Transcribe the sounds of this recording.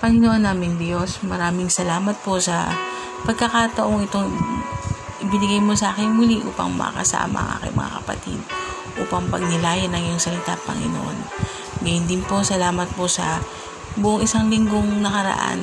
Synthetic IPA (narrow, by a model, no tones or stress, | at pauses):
pɐŋɪnoʔonːaːmɪŋbjosmɐɾaːmɪŋsɐlaːmɐt̪̚po̞sɐ̰ | pɐɡ̚kɐkaːt̪ɐʔo̞ŋɪt̪o̞ŋ | ʔɪbɪnɪɡajmosɐʔaːkɪnmʊliʔṵːpɐ̰ŋmɐ̰ɐ̰kɐ̰sa̰ːmɐ̰ɐ̰ŋʔa̰kɐ̰jmɐ̰ŋa̰kɐpɐ̰t̪ḭd̪̚ | ʔṵːpɐŋpɐ̰ɡ̚nɪlaːjɐnɐŋjʊŋsɐlɪt̪apɐ̰ŋɪ̰no̰ʔo̰n | ɡɐjʊnd̪ɪnpo̞sɐlaːmɐt̪̚po̞sɐ̰ | bʊʔoŋʔɪsaŋlɪŋɡo̞ŋnɐkɐɾɐ̰ʔa̰n